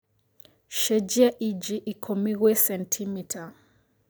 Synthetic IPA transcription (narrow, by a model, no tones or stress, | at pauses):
ʃɛd͡ʒiaʔid͡ʒiʔikʰomiɣwɛsɛntʰimitʰa